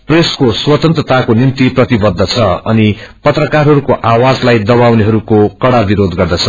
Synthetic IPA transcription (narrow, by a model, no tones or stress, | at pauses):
preskoswʌt̪ʌnt̪rʌt̪akonimt̪iprʌt̪ibʌd̪ʱːʌt͡sʰʌʌnipʌt̪rʌkarɦʌɾukoʔawad͡zlajd̪ʌbawneɦʌɾukokʌɽabiɾod̪ɡʌrd̪ʌt͡sʰʌ